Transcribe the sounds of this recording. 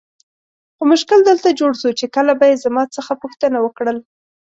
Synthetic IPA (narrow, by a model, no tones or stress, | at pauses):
xomʊʃkɪld̪əlt̪ad͡ʒoɽʃut͡ʃekəlabajezamɑt͡səxapuxt̪ənawəkɽəl